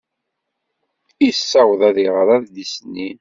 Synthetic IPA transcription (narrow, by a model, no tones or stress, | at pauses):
isːɑwðæðiʁəɾˤæðd̪isnin